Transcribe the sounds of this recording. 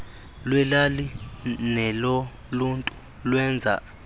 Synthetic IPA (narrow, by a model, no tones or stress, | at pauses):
lwɛlalinɛlɔ | luntʼu | lwɛnd͡zʱa̰